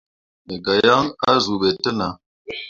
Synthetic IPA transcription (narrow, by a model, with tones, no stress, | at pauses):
e˨ɡa˨ja˦ŋa˦zu˨ɓe˨tə˦na˨